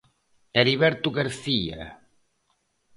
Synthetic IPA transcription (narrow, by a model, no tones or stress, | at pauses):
eɾiβɛɾt̪uɣaɾθia̰